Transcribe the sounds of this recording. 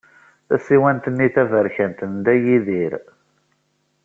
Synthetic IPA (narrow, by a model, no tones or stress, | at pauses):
θæ̰siwænt̪ənːiθævəɾçænt̪ənd̪æjiðiɾ